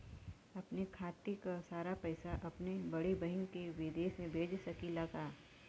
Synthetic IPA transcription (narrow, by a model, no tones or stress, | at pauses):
ɐpnekʰaːt̪ekasaːɾapɐɪsaʔɐpnebɐɽebɐɦɪŋkeʋɪd̪eːʃmẽbʱeːd͡ʒsɐkilɐɡaː